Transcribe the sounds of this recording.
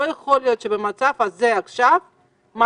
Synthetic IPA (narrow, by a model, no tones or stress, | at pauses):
ojeχoljo̞t̪ʃebemat͡savhazeaχʃav | ma